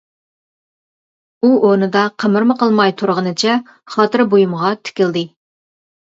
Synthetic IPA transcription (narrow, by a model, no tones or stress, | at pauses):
uʔonɨd̪ɑqʰəmɨɾmɨqəlˠmɑjt̪ʰuɾʁənɨt͡ʃʰɛ | χɑt̪ɨɾbojumʁɑt̪ʰɪ̥kʲɪld̪ɨ